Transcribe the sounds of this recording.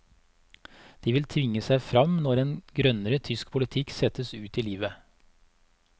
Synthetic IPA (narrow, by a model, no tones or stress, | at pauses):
d̪̥iːʋɪlt̪ʰʋɪŋəsæɪfɾɑmnɔɾeːnɡɾœnəɾət̪ʰʏskpʰʊlɪt̪ʰɪksɛt̪əsʉːt̪iːliːʋə